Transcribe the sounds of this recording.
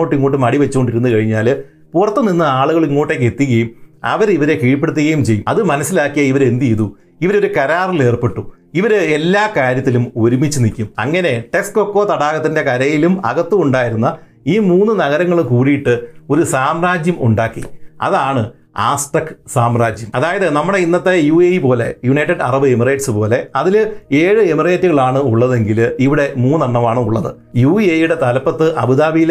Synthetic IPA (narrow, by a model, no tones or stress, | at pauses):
oːʈːiŋːoːʈ̬ːɨmɐɽiʋet͡ɕːuko̞ɳɖiɾunːukɐɻiɲːaːl | purɐt̪ːɐninːɨaːɭuɣɐɭiŋːoːʈːekːe̞t̪ːiɣɐjumɐ̰ʋɐɾiʋɐɾe̞kiːɻp̬ːeɽut̪̬ːiɣɐjumt͡ɕe̞jːumɐðɨmɐnɐsːilaːkːijɐiʋɐɾe̞nd̪ijðu | iʋɐɾo̞ɾukɐɾaːrile̞ːrpe̞ʈːu | iʋɐɾɨelːaːkaːɾjɐt̪̬ːilumo̞ɾumit͡ɕːunikʲːumɐ̰ŋːɐne̞ʈe̞ksko̞kːo̞ːt̪ɐɽaːɣɐt̪ːinde̞kɐɾɐjilumɐɣɐt̪ːuuɳɖaːjiɾunːɐ | iːmuːnːɨnɐɣɐɾɐŋːɐɭkuːɽijiʈːɨo̞ɾusaːmɾaːd͡ʑjɐmuɳɖaːkːḭɐ̰ðaːɳɨ | aːsʈɐkːsaːmɾaːd͡ʑjɐmɐðaːjɐðɨnɐmːuɐɽe̞inːɐt̪ːe̞juːejipo̞ːle̞̰juɳɐjʈːɐɖɐ̰rɐbɨemireːʈsɨpo̞ːle̞ɐðileːɻɨemireːtːuɣɐɭaːɳɨuɭːɐðe̞ŋɡiliʋiɽe̞muːnːɐɳːɐʋaːɳɨuɭːɐðɨ̰ | juːiejuɽe̞t̪ɐlɐpːɐt̪ːɨʔɐbɨðaːbijil